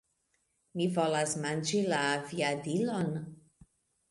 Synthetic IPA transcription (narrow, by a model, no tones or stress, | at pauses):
mivo̞lasmand͡ʒilaːviadilo̞n